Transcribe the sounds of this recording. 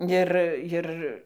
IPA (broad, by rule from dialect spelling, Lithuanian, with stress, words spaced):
ˈɪr ˈjɪr